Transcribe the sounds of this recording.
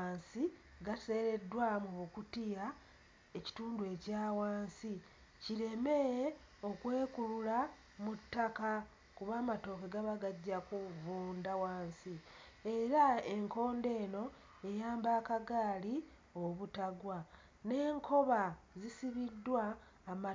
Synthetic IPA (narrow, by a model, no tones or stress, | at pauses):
siɡase̞ɾe̞dːwamuβukutija | e̞ci̥tuːndue̞caːwaːnsi | ciɾe̞me | okweːkulula | mutːaka | kuβaːmato̞ːkeɡaβaɡaɟːakuvuːndawaːnsi | e̞ɾaeŋko̞ːnde̞ːno̞ | e̞jaːmbaːkaɡaːli | oβutaɡwa | ne̞ːŋkʰo̞βazisiβidːwaː | m